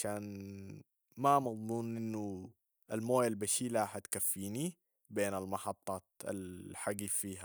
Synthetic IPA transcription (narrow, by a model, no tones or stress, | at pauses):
aʃaːn | mamɑðˤmuːnʔɪnːu | ʔalmoːjalbaʃiːlaħat̪kafːiːni | beːnalmɑħɑt̪ˤːɑːt̪a̰lħaɡifiːɦa